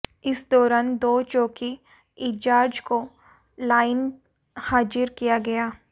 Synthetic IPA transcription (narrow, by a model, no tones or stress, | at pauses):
ɪsd̪ɔːɾaːnd̪oːt͡ʃɔːki | ɪd͡ʒaːɾd͡ʒko | laːɪn | haːd͡ʒɪɾkijaɡɐjaː